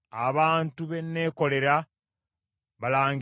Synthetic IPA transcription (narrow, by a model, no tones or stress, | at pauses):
aβaːntuβe̞nːe̞ːko̞le̞ɾa | βalaːŋ